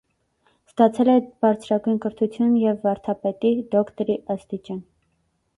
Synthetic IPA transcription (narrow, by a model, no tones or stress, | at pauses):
st̪ɑt͡sʰɛlɛb̥ɑɾt͡sʰɾɑɡujnkəɾt̪ʰut͡sʰjunjɛvːɑɾt̪ʰɑpɛt̪id̪ɔkt̪ɔɾiɑst̪it͡ʃɑn